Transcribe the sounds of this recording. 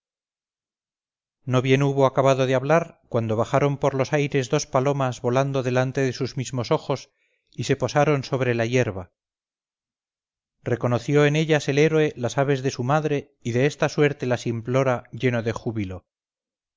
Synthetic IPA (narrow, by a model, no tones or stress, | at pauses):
no̞βje̞nuβo̞akaβaðo̞ðeaβlaɾkwand̪o̞β̞aχaɾo̞mpoɾlo̞sajɾe̞zðo̞spalo̞mazβo̞land̪o̞ðe̞lant̪eðe̞suzmizmo̞so̞xo̞s | ise̞po̞saɾo̞nso̞βɾe̞laje̞ɾβa | re̞ko̞no̞θjo̞ene̞ʎase̞le̞ɾwe̞lasaβe̞zðe̞sumaðɾe̞ | iðe̞est̪aswe̞ɾt̪e̞lasimplo̞ɾaʝe̞no̞ðe̞xuβilo̞